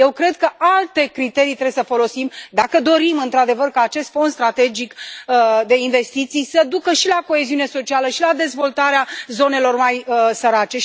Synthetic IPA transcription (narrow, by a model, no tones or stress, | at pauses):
je̞wkɾe̞d̪̚kəʔalt̪e̞kɾit̪e̞ɾijt̪ɾebjesəfo̞lo̞simd̪akəd̪o̞ɾimɨnt̪ɾad̪e̞vərkaːt͡ʃe̞st̪fo̞nd̪st̪ɾat̪e̞d͡ʒik | d̪e̞inve̞st̪it̪sijsəd̪ukəʃilako̞e̞ziune̞so̞t͡ʃialəʃilad̪e̞zvo̞lt̪aɾeazo̞ne̞lo̞rmajəsəɾat͡ʃe̞